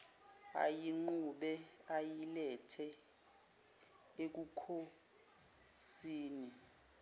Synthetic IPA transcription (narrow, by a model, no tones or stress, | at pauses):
a̰jiŋ͡ǃuɓɛajilɛtʰɛ | ek̬ukʰo | siːni